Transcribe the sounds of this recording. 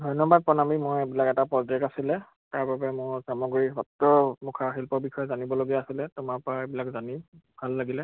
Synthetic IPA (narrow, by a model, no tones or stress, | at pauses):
dʱɔjnɔbad̚pɔnamimoɹebilakɛtapɹɔdekasilɛ | taɹbabɛmʊɹsamɔɡɹibɔtːɔmukʰaɦilpɔɹbixʰɔjɔzanibɔloɡijaːsilɛtʊmapɔaebilakzanibʱalːaɡilɛ